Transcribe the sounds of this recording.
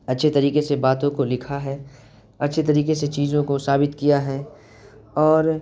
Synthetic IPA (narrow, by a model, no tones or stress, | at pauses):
ɐtːʃʰet̪ɐɾiːkesebaːt̪õkolɪkʰaɦɛː | ɐtːʃʰet̪ɐɾiːkeset͡ʃiːzõkosaːbɪt̪kijaɦɛː | ɔːɾ